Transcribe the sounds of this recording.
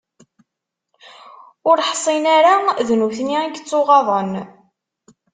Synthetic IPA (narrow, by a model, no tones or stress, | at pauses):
ʊɾħsˤinaɾaðnuθniiɡt͡sːoʁɑðˤən